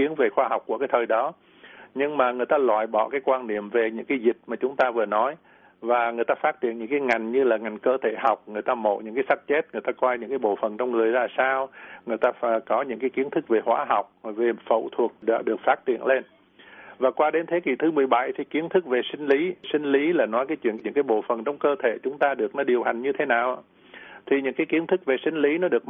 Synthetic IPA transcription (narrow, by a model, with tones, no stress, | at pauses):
i˨˦ənve˨˩xwaː˧hɦa˨˩wk͡p̚ku˧˩kaː˨˦jt̪ʰəː˨˩jɗɔ˨˦ | ɲɨ˧ŋmaː˨˩ŋɨ˨˩əjt̪aː˧lwa̰ː˧˨jɓɔ̰˧˨kaː˨˦jkwaː˧nɗḭ˧˨əmve˨˩ɲɨ̰˧˥ŋkaː˨˦jzï˨˩k̟̚maː˨˩t͡ɕʊ˨˦ŋ͡mt̪aː˧vɨ˨˩ənɔ˨˦j | vaː˨˩ŋɨ˨˩əjt̪aː˧faː˦˥t̚t͡ɕi˧˨ənɲɨ̰˧˥ŋkaː˨˦jŋa˨˩jŋ̟ɲɨ˧laː˨˩ŋa˨˩jŋ̟kəː˧t̪ʰe˧˩ɦa˨˩wk͡p̚ŋɨ˨˩əjt̪aː˧mo̰˧˨ɲɨ̰˧˥ŋkaː˨˦jsa˦˥t̚t͡ɕe˦˥t̚ŋɨ˨˩əjt̪aː˧kwɔ˧jɲɨ̰˧˥ŋkaː˨˦jɓo̰˧˨fə˨˩nt͡ɕɔ˧wŋ͡mŋɨ˨˩əjzaː˧˩saː˧wŋɨ˨˩əjt̪aː˧fkɔ˨˦ɲɨ̰˧˥ŋkaː˨˦jki˨˦ənt̪ʰɨ˦˥k̚ve˨˩hwaː˨˦ɦa˨˩wk͡p̚ve˨˩fə̰˧˨wt̪ʰu˨˩ək̚ɗa̰ː˧˦ɗɨ˨˩ək̚faː˦˥t̚t͡ɕḭ˧˨ənle˧n | vaː˨˩kwaː˧ɗe˨˦nt̪ʰe˨˦ki˨˧˩t̪ʰɨ˨˦mɨ˨˩əjɓa˧˩jt̪ʰi˨˩ki˨˦ənt̪ʰɨ˦˥k̚ve˨˩sï˧ŋ̟li˨˦sï˧ŋ̟li˨˦laː˨˩nɔ˨˦jkaː˨˦jt͡ɕwḭ˧˨əɲɨ̰˧˥ŋkaː˨˦jɓo̰˧˨fə˨˩nt͡ɕɔ˧wŋ͡mkəː˧t̪ʰe˧˩˨t͡ɕʊ˨˦ŋ͡mt̪aː˧ɗɨ˨˩ək̚nɔ˨˦ɗi˨˩əwɦa˨˩jŋ̟ɲɨ˧t̪ʰe˨˦naː˨˩wʔa˧ | t̪ʰi˨˩ɲɨ̰˧˥ŋkaː˨˦jki˨˦ənt̪ʰɨ˦˥k̚ve˨˩sï˧ŋ̟li˨˦nɔ˨˦ɗɨ˨˩ək̚